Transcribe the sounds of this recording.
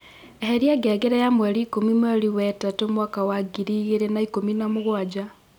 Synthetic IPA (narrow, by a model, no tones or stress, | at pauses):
eheɾiaɡɛɡeɾejamwaɾiːkomimwaliwɛtatomwaːkawaɡiɾiɣeɾenaikominamoɣwad͡ʒa